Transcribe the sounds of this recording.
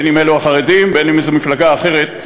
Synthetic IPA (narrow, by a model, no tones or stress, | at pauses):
enimeluaχaʁed̪imbenimezemiflaɡaːχe̞ʁe̞t̚